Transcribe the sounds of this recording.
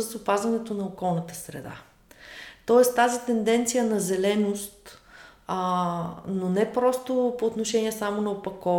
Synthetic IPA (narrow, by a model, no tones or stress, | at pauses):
əsʊpazvɐnɛt̪onɐokɔlˠnɐt̪ə̥sɾɛ̰d̪a̰ | t̪ɔɛst̪azit̪ɛnd̪ɛnt̪sijənɐzɛlɛnost̪ | nonɛpɾɔst̪opoːt̪noʃɛniɛsamonɐopɐkɔ